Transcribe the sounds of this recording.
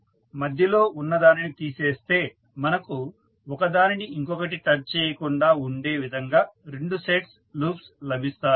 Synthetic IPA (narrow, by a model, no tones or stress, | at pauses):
mɐd̪ʱjɐlo̞ːʔunːɐd̪aːninit̪iːseːst̪e̞ː | mɐnɐku | ɔkɐd̪aːniniiŋkɔkɐʈiʈɐɾt͡ʃeːjɐkuɳɖaːuɳɖe̞ːʋid̪ʱɐŋɡaːɾe̞ɳɖuseʈs | luːpslɐbʱist̪aːɾu